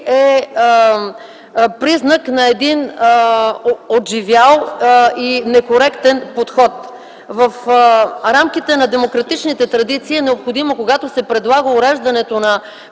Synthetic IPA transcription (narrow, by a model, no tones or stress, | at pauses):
ɛ | pɾiznɐknɐɛd̪in | od̪ʒivʲjalˠinɛkoɾɛkt̪ɛnpot̪xɔt̪ | vɐf | ɾamk̟it̪ɛnɐd̪ɛmokɾɐt̪it͡ʃnit̪ɛt̪ɾɐd̪it̪siːɛnɛopxod̪imokoɡat̪osɛpɾɛd̪lˠaɡəʊɾɛʒd̪ɐnɛt̪onɐ